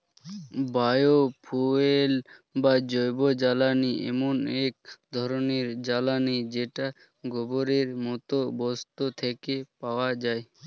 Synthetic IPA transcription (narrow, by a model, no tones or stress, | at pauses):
bajopʰuelbad͡ʑɔjbod͡ʑalaniʔɛ̰monek̚d̪ʱɔɾoneɾd͡ʑalanid͡ʑeʈa | ɡʱɔboɾeɾmɔt̪obɔst̪ot̪ʰekepaoad͡ʑae